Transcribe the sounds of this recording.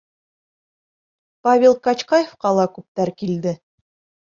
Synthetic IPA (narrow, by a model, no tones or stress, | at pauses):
pavʲelˠkɑt͡ɕqɑjefqɑlˠɑkʉp̚t̪æɾkild̪ɘ